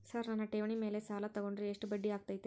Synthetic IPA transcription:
sɐɾnɐnːɐʈeːʋɐɳime̞ːlesaːlɐt̪ɐɡoɳɖɾeeʂʈubɐɖːiaːɡ̚t̪ɐːjt̪ːɐ

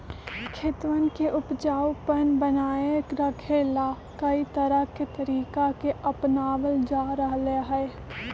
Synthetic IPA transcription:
kʰɪt̪ʋənkeʔʊpd͡ʒaːwpənbənaːjəkɾɐkʰeːlaː | kɐit̪ɐɾəɦket̪əɾiːkakeʔɐpnaːʋəld͡ʒaːɾɐɦleɦɛ

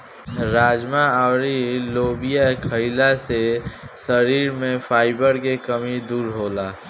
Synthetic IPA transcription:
ɾaːd͡ʒmaaːɾilobijakʰəɪlase | səɾiːɾmẽpʰaːɪbəɾkekəmid̪uːɾɦola

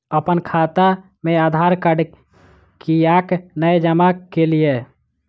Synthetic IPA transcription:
əpənkʰat̪a | mẽad̪ʱaɾkəɽ | kijaknəjd͡ʒəmakelije

